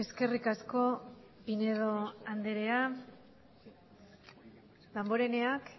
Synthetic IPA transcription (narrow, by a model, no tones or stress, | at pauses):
e̞ske̞rikasko̞pine̞ð̞o̞and̪eɾe̞a | lambo̞ɾe̞ne̞ak